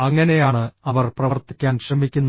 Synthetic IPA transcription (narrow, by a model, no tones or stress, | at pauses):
ɐŋːɐne̞jaːɳɨɐʋɐrprɐɐrt̪ikʲːaːnɕrɐmikʲːunː